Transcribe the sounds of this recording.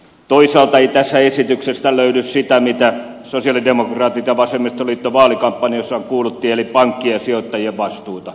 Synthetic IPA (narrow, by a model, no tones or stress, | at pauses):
t̪oisɑːlt̪ɑeit̪æsːæesit̪yksest̪æløynyssit̪æmit̪æ | sosiɑlidemokrɑːt̪it̪ɑʋɑsemːist̪oliːt̪ːoʋɑːlikɑmpːɑnjosːɑŋkuːlut̪ːiːelipɑŋkːiɑsiot̪ːɑjieʋʋɑst̪uːt̪ɑ